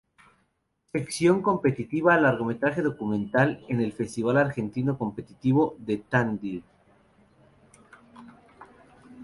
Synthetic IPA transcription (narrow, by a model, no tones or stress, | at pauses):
se̞ksjo̞ŋko̞mpe̞t̪it̪iβaːlaɾɣo̞me̞t̪ɾaxe̞ðo̞kumẽ̞nt̪alene̞lfe̞st̪iβalaɾxe̞nt̪ino̞ko̞mpe̞t̪it̪iβo̞ðet̪and̪i